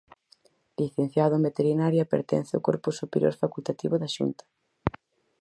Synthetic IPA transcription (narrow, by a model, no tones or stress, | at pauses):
liθen̟θjaðoembet̪eɾinaɾjapeɾt̪ɛ̰̃n̟θeokoɾposupeɾjo̰ɾfakult̪at̪iβoðaʃṵnt̪ḁ